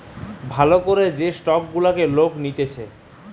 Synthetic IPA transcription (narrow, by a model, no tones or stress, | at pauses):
bʱalokoɾed͡ʑesʈɔkɡulakeloknit̪et͡ɕʰe